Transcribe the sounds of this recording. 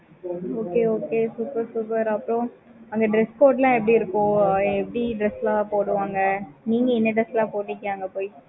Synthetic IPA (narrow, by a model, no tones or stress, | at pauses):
oːkeːoːkeːsuːpɐɾsuːpɐɾɐpːɯɾõ | ɐŋɡɐɖɾɛskoːʈlãːɛp̬ːɐɽiɪɾɯkːʊ̃ːɛpːɐɽiɖɾɛslãːpoːɽɯʋaːŋɡɐniːŋɡɐɪnːɐɖɾɐslãːpoːʈːɪkːɪaːŋɡɐpoːj